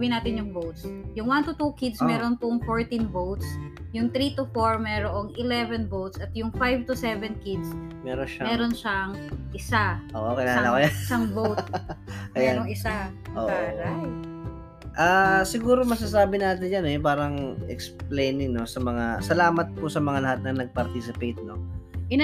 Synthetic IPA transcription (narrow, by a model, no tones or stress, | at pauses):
bɪnaːt̪ɪnjʊŋbowt̪sjʊŋwant̪ʊt̪ukid̪smɛːɾonpʊŋfoɹt̪inbowt̪sjʊŋt̪ɾit̪ʊfoɹmɛɾoʔoŋʔɪlɛvɛnbowt̪sɐt̪jʊŋfajvt̪ʊsɛvɛnkɪd̪smɛɾonʃamɛːɾonʃɐŋʔɪsaʔoʔokɪlaːlɐkojasaŋbowt̪̚ɐjɛaoŋɪsaʔoːpaɾɐ | ʔaːsɪɡuːɾomɐs̬as̬aːbɪnaːt̪ɪnjanɛpaːɾɐŋɛ̰ksplejnɪŋno̞sɐmɐŋasɐlaːmɐt̪̚pʊsɐmɐŋalɐhat̪̚nɐŋnɐɡ̚pɐɾt̪iːsɪpejt̪̚no̞ʔɪn